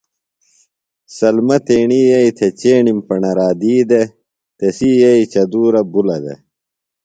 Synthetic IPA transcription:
sɐlmɐt̪eːɳijɐit̪ʰet͡ɕeːɳimpɐɳɐɾaːd̪iːd̪e | t̪esijɐit͡ɕɐd̪uːɾɐbulɐd̪ḛ

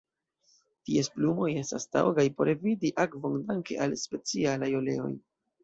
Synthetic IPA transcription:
tiesplumo̞je̞stasta̰wɡajpo̞ɾevidiʔakvo̞ŋdaŋke̞̰ʔalspe̞t͡sialajo̞le̞o̞̰j

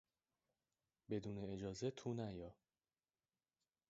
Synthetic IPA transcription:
be̞d̪uːneːd͡ʒɒːzet̪ʰuːnæjɒː

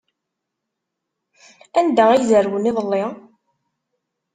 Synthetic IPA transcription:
ænd̪æizəɾwəniðˤəlːɪ

